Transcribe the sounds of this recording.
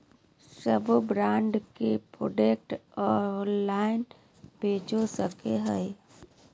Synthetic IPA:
səbbɾãːɳɖkepɾo̰ːɖeːk̚ʈɔːɾnlaːɪn | beːt͡ʃosəkeɦəj

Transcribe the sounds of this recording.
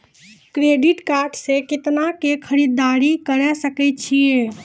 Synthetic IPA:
kɾeɖiʈkaɾɖsekɪt̪nakekʰəɾid̪ːaɾikəɾɛsəkɛt̪̚t͡ʃʰije

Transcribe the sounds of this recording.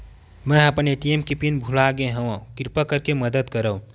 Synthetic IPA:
məəpəneʈiemkipinbʱulaɡeɦə̃wə̃kiɾpəkəɾkeməd̪əd̪kəɾə̃

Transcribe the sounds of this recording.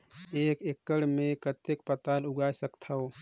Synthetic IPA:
eːkekːəɽmẽkət̪ek̚pət̪aːlʊɡaːjsəkt̪ʰao

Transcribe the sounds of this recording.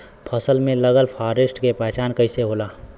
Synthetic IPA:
pʰəsəlmẽləɡəlpʰaːɾesʈkepɛːt͡ʃaːnkəɪiseɦoːlaː

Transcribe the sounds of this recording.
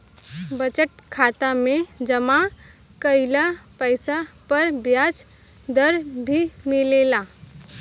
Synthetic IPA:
bət͡ʃəʈ̚kʰaːt̪amẽd͡ʒəma | kəɪlapəɪsapəɾbjaːt͡ʃ | d̪əɾbʱimɪlela

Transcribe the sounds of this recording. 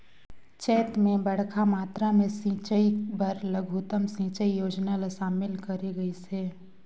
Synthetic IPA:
t͡ʃɛːt̪mẽbɐɽ̤kʰamaːt̪ɾamẽsĩːt͡ʃəibɐɾləɡʱuːt̪əmsĩːt͡ʃəijoːd͡ʒnalaʃaːmɪlkɐɾeɡɐiseː

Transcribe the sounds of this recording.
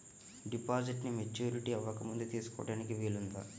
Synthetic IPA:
ɖipaːd͡ʒiʈnimet͡ʃːuːɾiʈiɐʋɐkːɐmund̪ut̪iːsu̥kɔ̰ːɽaːnikiʋiːɭund̪a̰ː

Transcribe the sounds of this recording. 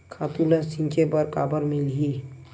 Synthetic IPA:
kʰaːt̪ulasĩŋkʰepəɾkaːbəɾmɪlɦi

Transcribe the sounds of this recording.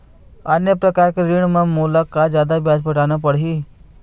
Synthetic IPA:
ənjəpɾəkaɾkeɾiɳ̃mãmuːləkːad͡ʒjaːd̪abjad͡ʒpəʈanapəɽɦi

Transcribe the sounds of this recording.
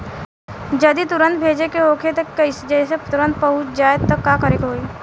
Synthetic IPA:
d͡ʒɐd̪it̪ʊɾə̃nt̪bʱeːd͡ʒekeoːkʰet̪ɐkːɐisd͡ʒɛːset̪ʊɾə̃nt̪̚pɐɦʊt͡ʃd͡ʒaːjd̪̚t̪ɐkːakəɾekɦoːiː

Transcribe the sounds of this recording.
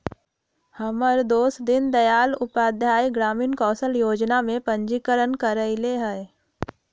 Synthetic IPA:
həməɾd̪oːsd̪ɪnd̪ɐjaːlʊpaːd̪ʱjaːjɡɾaːmiːnkɔːsəljoːd͡ʒnamẽpə̃ɲd͡ʒikəɾənkəɾəɪleɦɛː

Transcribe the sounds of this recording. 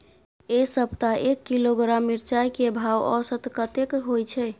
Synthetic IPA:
esəbt̪aʔekːiloɡɾamːiɾt͡ʃajkebʱawɔ̰sət̪kət̪ekɦojt͡ʃʰɛ

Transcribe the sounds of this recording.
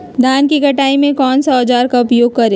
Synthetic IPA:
d̪ʱaːnkikɐʈaːimẽkɔːnsɔd͡ʒaːɾkaʊpjoːɡ̚kɐɾẽː

